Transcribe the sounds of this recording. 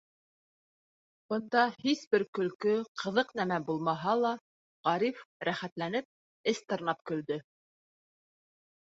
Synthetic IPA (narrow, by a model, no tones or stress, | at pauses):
b̥ɤ̆nd̪ɑhisbɘɾkɵ̆lkɵqʰɤ̆ðɤqnæmæbulˠmɑɦɑlˠɑ | ʁɑɾifɾæχæt̪lænɘp̚ | ɘst̪ɤ̆ɾnɑp̚kɵ̆ld̪ɵ